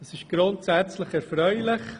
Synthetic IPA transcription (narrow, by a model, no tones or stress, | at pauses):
əsɪʃɡ̥ɾʊntsæt͡slɪχɛɾfɾœʏlɪχ